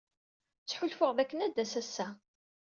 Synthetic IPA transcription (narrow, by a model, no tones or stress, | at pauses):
t͡sːħʊlfʊʁðækːənæd̪ːæsæsːæ